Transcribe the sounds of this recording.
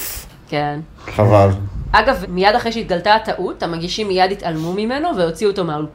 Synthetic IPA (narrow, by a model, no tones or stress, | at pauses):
ken | χavalʔaɡavmijad̪aχejʃeit̪̚ɡaltat̪aʔut̪ːamaɡiʃimːijad̪it̪almumime̞no̞vejo̞t͡siuot̪o̞mau